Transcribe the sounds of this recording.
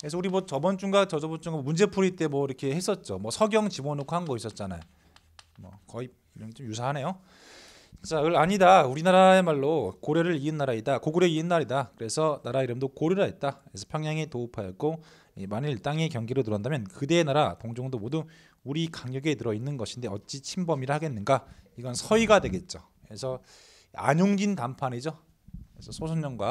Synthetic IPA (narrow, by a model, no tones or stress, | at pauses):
kɯɾes̬ʰʌuɾimwʌt͡ɕʌbʌnt͡ɕ͈uŋɡat͡ɕʌd͡ʑʌbʌnt͡ɕ͈uŋɡamund͡ʑe̞pʰuɾit͈e̞mwʌiɾʌkʰe̞hes͈ʌt̚t͡ɕ͈omwʌsʰʌɡjʌŋt͡ɕimonoɡoɦanɡʌis͈ʌt̚t͡ɕ͈ana̰jo | mʌ̰kʌi | kɯɲʌŋt͡ɕomjusʰaɦane̞jo | t͡ɕt͡ɕ͈aɯɭaɲidauɾinaɾae̞maɭːokoɾjeɾɯɭiɯnːaɾaittakoɡɯɾjeiɯnːaɾidakɯɾe̞sʰʌnaɾaiɾɯmdokoɾjoɾaet̚t͈aɯesʰʌpʰjʌŋɲaŋetoupʰajʌt̚k͈o | imaniɭt͈aŋekjʌŋɡiɾotɯɾʌndamjʌnkɯde̞ːnaɾatoŋd͡ʑoŋdomodu | uɾikaŋjʌɡe̞tɯɾʌinːɯnɡʌɕʰinde̞ʌt̚t͡ɕ͈it͡ɕʰimbʌmiɾahaɡe̞nːɯnɡaiɡʌnsʰʌiɡadwe̞ɡe̞t̚t͡ɕ͈o | esʰʌ | a̰ɲoŋd͡ʑintampʰanid͡ʑo | esʰʌsʰosʰonɲʌŋɡwa